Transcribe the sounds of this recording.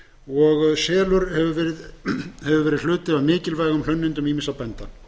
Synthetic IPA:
ɔɣsɛːlʏɾhɛvʏvɛːɾɪðhɛvʏvɛːɾɪðl̥ʏːt̪ɪaðmɪːcɪlvaːjɣʏml̥œnːɪnt̪ʏmimɪsapɛnt̪a

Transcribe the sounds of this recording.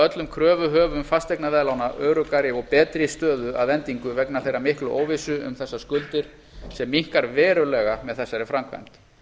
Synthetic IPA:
œt̪lʏmkʰɾœːvʏɦœːvʏmfast̪ejknavɛːlawnaʔœːɾʏkaɾɪɔɣpɛːt̪ɾɪst̪œːðʏʔa̰ðɛnt̪iŋkʏvɛknaθejɾamɪhklʏʔoːwvɪsʏʏ̰mθɛsːaskʏlt̪ɪɾ̥ | sɛmːiŋ̥kaɾvɛːɾʏlɛɣamɛðθɛsːaɾɪfɾamkʰva̰jm̥t̪

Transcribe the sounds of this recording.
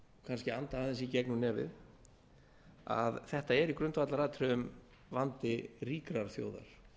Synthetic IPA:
kʰanscɪant̪aaðɪnsicɛknʏnɛːvɪ̰ð | a̰ðθɛht̪aɛɾikɾʏnt̪vat̪laɾaːt̪ʰɾʏʏm | vant̪ɪriːkɾaɾ̥θjo̰ːwða̰ɾ̥

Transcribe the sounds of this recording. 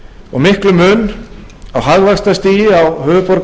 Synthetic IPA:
ɔɣmɪhklʏmʏn | awɦaɣvaxst̪ast̪iːjɪawhœːvʏpɔɾk

